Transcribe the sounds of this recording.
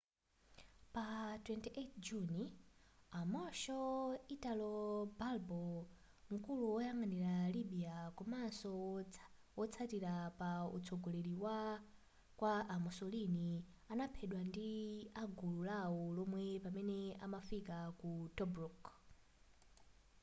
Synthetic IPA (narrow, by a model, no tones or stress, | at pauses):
patwɛntiʔetʰd͡ʒuni | amɔʃɔitalɔbalbɔ | ŋ̩kuluwɔjaŋaniɾaliɓijakɔmansɔ | wɔt͡sʰatiɾapaṵt͡sʰɔɡɔleɾiwa | kwaːmɔsɔlini | anapʰɛɗwandiaɡululawɔlɔmwɛpamɛnɛa̰mafikakutɔbruk